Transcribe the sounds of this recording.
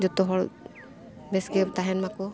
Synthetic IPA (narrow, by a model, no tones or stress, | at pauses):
d͡ʒɔt̪ɔɦɔl | bɛsɡɛbt̪aɦɛnmakɔ